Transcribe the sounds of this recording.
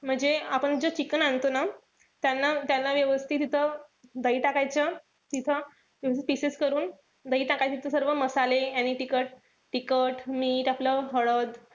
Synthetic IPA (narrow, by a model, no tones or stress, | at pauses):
m̤əɳd͡zeapəɳd͡zot͡ɕikənant̪ona | t̪janːat̪janːaʋjəʋəst̪ʰiːt̪̬it̪ʰəd̪əiːʈakajt͡ɕa | t̪it̪ʰə | ʋjəʋəst̪it̪piseskəɾuːn | d̪əiːʈakajt͡ɕet̪i̥t̪ʰəsəɾʋəməsalejaniːʈikəʈ̚ | ʈikəʈmiːʈapləɦəɭəd̪